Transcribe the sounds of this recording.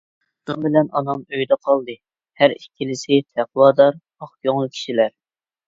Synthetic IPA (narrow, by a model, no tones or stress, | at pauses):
d̪̥umbɪlɛnɑnɑmøjd̪ɛqʰɑlˠd̪ɨ | hæɾikʲʰːilɪsɪt̪ʰæqʰwɑːd̪ɑɾ | ɑχjoŋlˠɨkʲʰi̥ʃilæɾ